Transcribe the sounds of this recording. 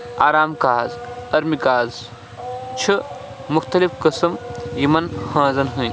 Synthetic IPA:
aːɾaːmkaːzɐɾmikaːz | t͡ʃʰɨ | mʊxt̪ɐlifkɨsɐmjimɐnhãːzɐnɦũ

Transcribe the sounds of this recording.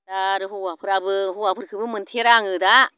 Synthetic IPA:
daɾɯhuapʰɯɾabɯhuwapʰɯɾkɯbɯmɯnt̪ʰeɾaŋɯda

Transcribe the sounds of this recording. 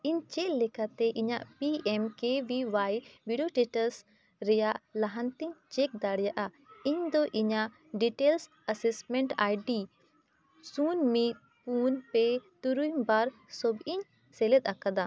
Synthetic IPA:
iɲt͡ʃɛʔlɛkat̪ɛʔiɲaʔpiɛmkebiwajbiɖoʈiʈəs | ɾɛjaʔlaɦant̪iɲt͡ʃɛk̚d̪aɽjaʔa | iɲd̪ɔʔiɲaʔ | ɖiʈels | əsɛsmɛɳʈajɖi | sunmit̪̚ | punpɛt̪uɾujmbaɾsɔbiɲ | sɛlɛt̪̚akad̪a

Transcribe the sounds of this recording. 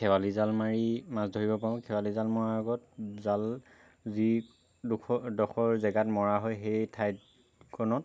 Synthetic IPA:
kʰɛwalizalmaɹimasdʱoɹibɔpaɹʊ̃kʰɛwalizalmɔɹaɔɡɔt̚zal | zi | dukʰɔdɔxʰɔɹzɛɡatmɔɹaɦɔjxejtʰajt | kʰɔnɔt̚

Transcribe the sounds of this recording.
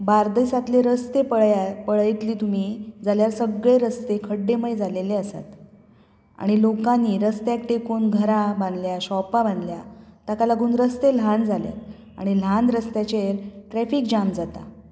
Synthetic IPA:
baɾd̪əsat̪leɾəst̪epəɭpəɭəjt̪liːt̪umiːd͡zaljaɾsəɡɭeɾəst̪ekʰəɽːeməɭed͡zaleleəsa̰t̪ | a̰ɽ̃ilokanːiːɾəst̪jak̚ʈekuːnɡʱəɾabãnd̪ljaɕɔpaband̪ljat̪akalaɡuːnɾəst̪eland͡zʱalja̰t̪ | a̰ɽ̃il̤anɾəst̪jat͡ɕeɾʈɾɛfiːkd͡ʑamd͡zat̪a̰

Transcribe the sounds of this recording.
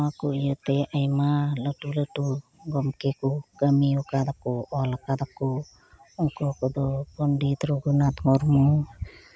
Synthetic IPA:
akuijət̪ɛʔajmaləʈuləʈuɡɔmkekukəmiɔkad̪akɔɔlakad̪akɔ | ukɔkɔd̪ɔpɔnɖit̪ɾɔɡunat̪mɔɾmu

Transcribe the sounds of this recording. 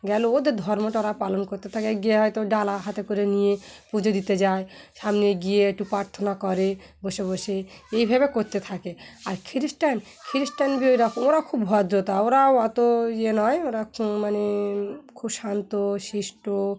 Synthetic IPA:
ɡɛlood̪ed̪ʱɔɾmoʈaoɾapalonkoɾt̪et̪ʰakeɡijeɦɔjt̪oɖalaɦat̪ekoɾenijepud͡ʑod̪it̪ed͡ʑaeʃamneɡijeeʈːupɾaɾt̪ʰonakɔɾeboʃeboʃeejbʱabekoɾt̪et̪ʰakeaɾkʰiɾisʈan | kʰiɾisʈanbiojɾakooɾakʰubɦɔd̪ɾot̪aoɾaoat̪oienɔjoɾamanekʰubʃant̪oʃiʃʈo

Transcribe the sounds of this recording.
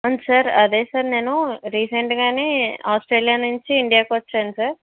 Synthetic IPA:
ɐnsaːɾɐd̪e̞ːsaːɾne̞ːnuɾiːseɳʈɡaːne̞ːaːsʈɾeːlijaːnuɲt͡ʃiiɳɖijaːkiʋɐt͡ʃːaːjnusaːɾ

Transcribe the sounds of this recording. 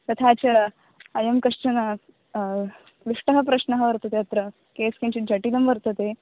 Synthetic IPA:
t̪ɐt̪ʰat͡ɕɐ | ɐjɐmkɐʂt͡ʃɐnɐ | ʋiʂʈɐɦɐp̬ɾɐɕnɐɦɐʋɐɾt̪ɐt̪eɐt̪ɾɐ | keːskeɲt͡ɕid͡ʑɐʈid̪ɐmʋɐɾt̪ɐt̪e

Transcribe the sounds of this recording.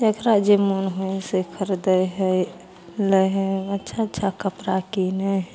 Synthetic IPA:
d͡ʒəkɾad͡ʒemunɦoesekʰəɾd̪əeɦɛ | ləɦɛətːʃʰatːʃʰakəpɾakinə

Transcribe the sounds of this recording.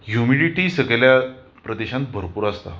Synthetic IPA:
jumiɽiʈiːsəɡɭlja | pɾəd̪eɕãnt̪̚bʱəɾpuːɾəst̪a

